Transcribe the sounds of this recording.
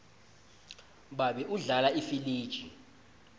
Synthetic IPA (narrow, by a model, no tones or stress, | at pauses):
ɓaɓɛʔuɮalaifiliːd̥ʒ̥ʱi